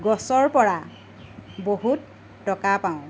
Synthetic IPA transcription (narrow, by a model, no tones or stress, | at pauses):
ɡɔsɔɹpɔɹa | boɦutː | ɔkapaʊ̃